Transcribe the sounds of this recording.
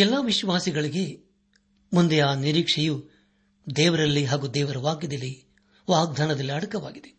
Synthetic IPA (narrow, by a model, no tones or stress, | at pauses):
ɛlːɐʋiʃʋaːsiɡɐɭiɡe̞ | mund̪eaːniɾiːkʂɛju | d̪ɛːʋɐɾɐlːiɦaːɡud̪ɛːʋɐɾɐʋaːɡjɐd̪ɐlːi | ʋaːɡ̚d̪ʱaːnɐd̪ɐlːiɐɽɐkɐʋa̰ːɡid̪e